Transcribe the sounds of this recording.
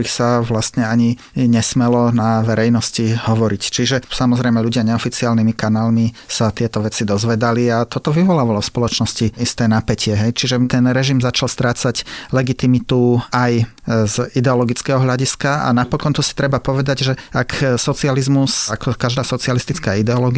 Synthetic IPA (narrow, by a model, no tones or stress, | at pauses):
ɾixsaʋlast̪ɲɛaɲi | ɲɛsmɛlɔnaʋɛɾɛjnɔscihɔʋɔɾict͡ʃiʒɛsamɔzɾɛjmɛʎuɟɪaɲɛɔfit͡siaːlnimikanaːlmisat̪ɪɛt̪ɔʋɛt͡sid̪ɔzʋɛd̪aliat̪ɔt̪ɔʋiʋɔlaːʋalɔfspɔlɔt͡ʃnɔsciist̪ɛːnapɛcʰɪɛɦɛjt͡ʃiʒɛt̪ɛnɾɛʒimzat͡ʃalst̪ɾaːt͡saɟlɛɡit̪imit̪uaj | zid̪ɛɔlɔɡit͡skɛːɦɔɦʎaɟiskaa̰napɔkɔnt̪usi̥t̪ɾɛbapɔʋɛd̪aɟʒɛaksɔt͡sializmusakɔkaʒd̪aːsɔt͡sialist̪it͡skaːid̪ɛɔlɔɡi